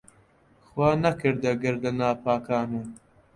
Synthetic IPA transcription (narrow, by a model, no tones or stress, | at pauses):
xwaːnɐkɨɾd̪ɐɡɐɾd̪ɐnaːpʰaːkʰaːnuː